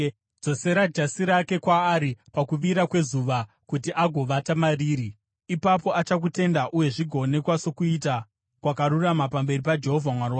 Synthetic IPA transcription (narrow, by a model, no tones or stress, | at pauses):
d͡zo̞se̞ɾad͡ʒasiɾake̞kwaːɾipakuʋiɾakwe̞zuʋa | kutiʔaɡʱo̞ʋatamariːɾi | ipapo̞at͡ʃak̬ute̞ndaʔuje̞ʐiɡʱo̞ne̞kwaso̞kuita | kwakaɾuramapambe̞ripad͡ʒe̞ɦo̞vʱamwaruwa